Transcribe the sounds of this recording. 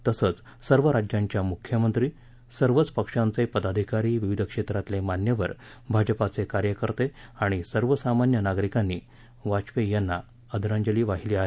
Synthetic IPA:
t̪əsət͡s | səɾʋəɾad͡ʑjãɲt͡ɕjamukʰjəmənt̪ɾiː | səɾʋət͡spəkʂãnt͡sepəd̪ad̪ʱikaɾiːʋiʋid̪ʱəkʂet̪ɾat̪lemanjəʋəɾ | bʱad͡ʑəpat͡sekaɾjəkəɾt̪eaɽ̃isəɾʋəsamanjənaɡɾikanːiː | ʋat͡ɕʋejənːa | əd̪ʱɾãɲd͡ʑəliːʋaɦiliaɦe

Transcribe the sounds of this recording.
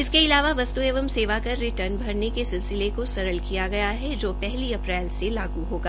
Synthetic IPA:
ɪskeɪlaːʋaʋɐst̪ueːʋəmseːʋakɐɾːɪʈəɾnbʱɐɾnekesɪlsɪlekosɐɾəlkijaɡɐjaɦɛd͡ʒoːpɛɦliɐpɾɛːlselaːɡuɦoːɡaː

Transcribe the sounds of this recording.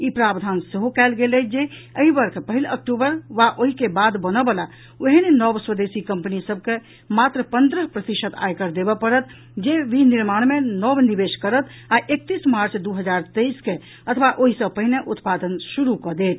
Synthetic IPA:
ipɾabd̪ʱanseɦokɛlɡelɛd͡ʒeəɦibəɾkʰpəɦilək̚ʈubəɾʋaʔoɦikebad̪bənəbəla | oɦinenɔbswəd̪esikəmpənisəb̚ke | mat̪ɾəpənd̪ɾəpɾət̪iʃət̪ʰa̰jkəɾd̪ebɛpəɾət̪ | d͡ʒeʋiniɾmaɽ̃menɔbnibeʃkəɾət̪ | aʔek̚t̪ismaɾt͡ʃd̪uɦəd͡ʒaɾt̪əiske | ət̪ʰʋaʔoɦisə̃pəɦineʔut̪pad̪ənsuɾukɔd̪et̪̚

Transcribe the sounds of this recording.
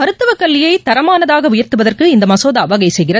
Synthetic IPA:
mɐɾɯt̪ːɯʋɐkːɐɭːɪjɐɪt̪ɐɾɐmaːnɐðaːɣɐʊjɐrt̪ɯʋɐðɐrkɯɪnd̪ɐmɐsoːðɐːʋɐɣɐɪsɛjɣɪrɐ

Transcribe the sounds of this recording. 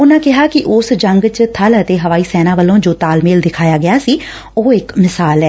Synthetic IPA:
ʊnãːkɪɦaːkɪʔʊsd͡ʒəŋɡt͡ʃt̪ʰələt̪eːɦəʋaːiːsɛːnaːʋəlõːd͡ʒoːt̪aːlmeːld̪ɪkʰaːjaːɡɪjaːsiː | oːɪkmɪsaːlɛː

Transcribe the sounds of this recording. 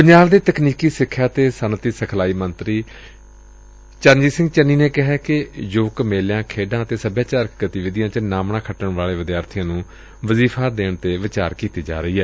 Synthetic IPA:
pəɲd͡ʒaːʋd̪iːt̪əkniːkiːsɪkʰːjaːt̪eːsənt̪iːsəkʰlaːiːmənt̪ɾiː | t͡ʃənd͡ʒiːsɪ̃ŋɡt͡ʃənːiːneːkɪɦɛːkɪjoːkmeːljãːkʰeːɖãːət̪eːsəbjaːt͡ʃaːɾkɡət̪iːʋɪd̪ɪjãːt͡ʃənaːmɳaːkʰəʈəɳʋaːɭeːʋɪd̪jaːɾt̪ʰijãːnũː | ʋəziːpʰaːd̪eːɳt̪eːʋɪt͡ʃaːɾkiːt̪iːd͡ʒa̰ːɾəiːɦɛː

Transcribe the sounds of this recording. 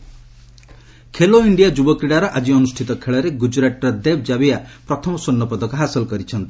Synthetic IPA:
kʰeloiɳɖijad͡ʒubɔkɾiɽaɾɔʔad͡ʒiɔnusʈʰit̪ɔkʰeɭɔɾeɡud͡ʒɾaʈɾɔd̪eb̚d͡ʒabiapɾɔt̪ʰɔmɔsonːɔpɔd̪ʱɔkɔɦasɔlkɔɾit͡ʃʰɔnt̪i

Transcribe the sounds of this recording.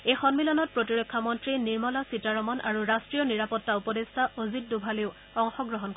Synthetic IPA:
ejxɔnmilɔnɔt̚pɹotiɹɔkʰːamɔntɹiniɹmɔlasitaɹɔmɔnʔa̰ɹuɹastɹijɔniɹapɔtːaupɔdestʰaʔozit̚dubʱaleʊ | ɔŋxɔɡɹɔɦɔnk

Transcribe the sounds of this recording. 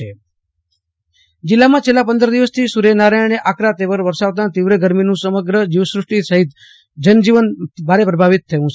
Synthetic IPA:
e | d͡ʒɪlːamãt͡ʃʰelːapənd̪əɾd̪iʋəst̪ʰisuɾenaɾajneʔakɾat̪eʋəɾʋəɾsaʋt̪̬ãt̪iʋɾəɡəɾminũsəməɡɾəd͡ʒiʋəsɾʊʂʈisəɦit̪ | d͡ʒənd͡ʒiʋənbʱaɾepɾəbʱaʋɪt̪ʰːəʋũ

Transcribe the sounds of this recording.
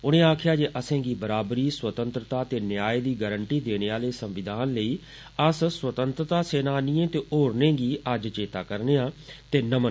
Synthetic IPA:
ʊnẽːaːkʰjaːd͡ʒeːʔəsẽːɡiːbəɾaːbɾiːswət̪ənt̪ɾət̪aːt̪eːnjaːeːd̪iːɡəːɾəɳʈiːd̪eːneːaːleːsəmʋɪd̪ʱaːnləiː | əsswət̪ənt̪ɾət̪aːseːnaːniːẽːt̪eːoːɾnẽːɡiːʔəd͡ʒt͡ʃeːt̪aːkəɾneːãːt̪eːnəmən

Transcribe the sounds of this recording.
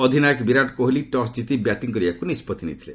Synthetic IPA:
ɔd̪ʱinajɔkbiɾaʈkoɦoliʈɔsd͡ʒit̪ibjaʈiŋkɔɾibakunispɔt̪inḭt̪ʰilḛ

